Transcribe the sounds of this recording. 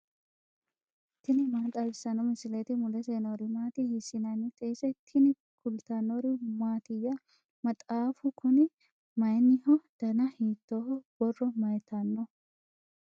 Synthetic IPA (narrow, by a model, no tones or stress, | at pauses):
t̪ːɪnɪmaːt̪ʼɐbɪsɐnɔmɪsɪlet̪ɪmʊlɛseːnɔɾɪmaːt̪ɪhɪsɪnɐnɪt̪ʼɛːsɛt̪ʰːɪnɪ | kʰʊlt̪ɐnɔɾɪmaːt̪ɪjɐ | mɐt̪ʼaːfʊkʰʊnɛ | mɐjnːɪhɔd̪̥ɐnɐhiːt̪ːɔhɔb̥ɔrːɔmɐjt̪ʰɐnːɔ